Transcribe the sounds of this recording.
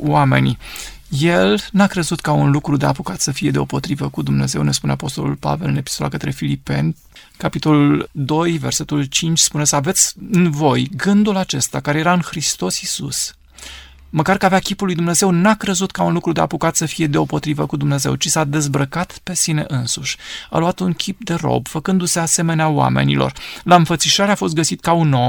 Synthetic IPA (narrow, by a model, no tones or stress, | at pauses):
wame̞̰nʲ | je̞lnakɾe̞zut̪kaunlukɾud̪e̞apukat̪səfije̞d̪eo̞po̞t̪ɾivəkud̪umne̞ze̞wne̞spune̞apo̞st̪o̞lṵlpa̰ve̞lɨne̞pi̥st̪ola̰kət̪ɾe̞filipe̞̰n | kapit̪o̞luld̪o̞jve̞rse̞t̪ult͡ʃint͡ʃʲspune̞səave̞t̪sʲɨnvo̞jɡɨnd̪ulat͡ʃe̞st̪akaɾe̞jeɾaɨnxɾist̪o̞sisṵs | məkarkəaveakʲipulːujd̪umne̞ze̞wnakɾezut̪kaunlukɾud̪e̞a̰pukat̪səfije̞d̪e̞o̞po̞t̪ɾivəkud̪umne̞ze̞̰wt͡ʃisad̪e̞zbɾəkat̪pe̞sine̞̰ʔɨnsuʃʲa̰luat̪unkʲʰip̚d̪e̞ro̞̰bfəkɨnd̪use̞ase̞me̞neawa̰me̞̰nḭlo̞̰rlaɨnfət̪siʃaɾeafo̞st̪ɡəsit̪kauno